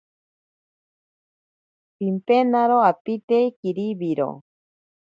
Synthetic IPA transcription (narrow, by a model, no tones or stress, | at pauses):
pimpenaɾoapit̪eikiɾiβiɾo̰